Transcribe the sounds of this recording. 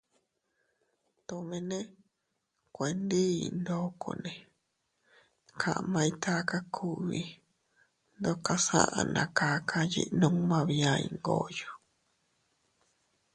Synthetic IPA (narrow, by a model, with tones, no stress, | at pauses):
t̪õ˧mẽ˧nẽ˦ | kʷe˨nd̪i˦ḭ˧˨nd̪o˦kʰo̰˧nẽ˨ | kʰã˧˨ʔmã˧ĩ˧t̪ʰa˦ka˦kʰu˦βi˧ | nd̪o˦ka˧sã̰˦ʔã̰˧nã̰˨ka˧˦kʰa˧jḭ˦ʔnũ˧˦mã˧βĩ˧ã˧ḭ̃˧ŋɡo̰˧˨jo˨